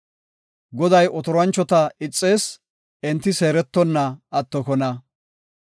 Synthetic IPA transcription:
ɡɔd̪ɐjʔɔt̪ɔɾwɐnt͡ʃːɔt̪ɐɪt͡sʼːe̞ːs | ɛnt̪ːɪse̞ːɾɛt̪ːɔnːɐɐt̪ːɔkɔnɐ

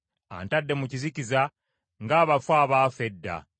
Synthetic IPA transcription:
a̰ntadːe̞muciziciza | ŋɡaːβafwaːβaːfe̞dːa̰

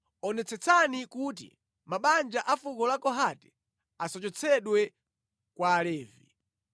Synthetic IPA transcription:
ɔnɛt͡sɛt͡sʰanikut̬ḭ | maɓand͡ʒaʔafukɔlakɔɦatɛ̥ | asɔt͡ʃɔt͡sʰɛɗwɛ | kwaːlɛːvḭ

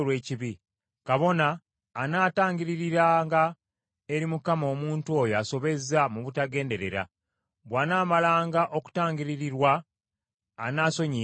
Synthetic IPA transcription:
lwe̞ːciβi | kaβo̞naː | naːtaːɲɟiɾiɾiɾaːŋɡa | e̞ɾimukamo̞ːmuːntuo̞joaso̞βe̞zamuβutaɡe̞ːnde̞ɾe̞̰ɾa̰ | βwaːnaːmalaːŋɡaʔo̞ku̥taːɲɟiɾiɾiɾwaː | naːso̞ɲi

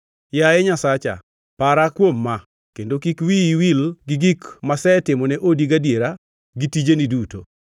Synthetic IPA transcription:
jajɛɲasat͡ʃa̰ | paɾakwomːa | kendokikwiiwilɡɪɡikmasɛtɪmɔnɛʔodiɡadjeɾa | ɡitid͡ʒeniduto̰

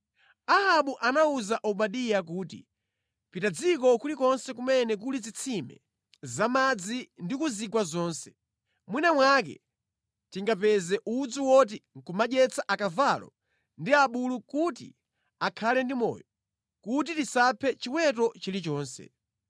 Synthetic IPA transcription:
ahaɓuʔanauzaʔɔɓaɗijak̬uːtḭ | pitad͡zikɔkulikɔnsɛkumɛnɛk̬ulid͡zit͡sʰimɛ̰ | zamad͡zindikuzikwazɔːnsɛ̥ | mwinamwakɛ̰ | tiŋɡapɛzɛʔud͡zuwɔt̬iŋ̩kumaʄɛt͡saʔakavalɔ̰ | ndiaɓulukutḭ | akʰalɛndimɔ̰jɔ | kut̬itisapʰɛt͡ʃiwɛt̬ɔt͡ʃilit͡ʃɔːnsɛ̰

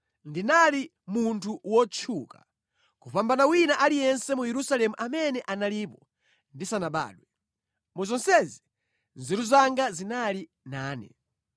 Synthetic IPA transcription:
ndinali | muntʰuwɔt͡ʃʰuka | kuɸambanawinaʔalijɛnsɛmujɛɾusalɛmuʔamɛnɛʔanaliːpɔ | ndisanaɓa̰ːɗwɛ | muzɔnsɛzi | nzɛɾuzaŋɡazinali | naːnɛ̰

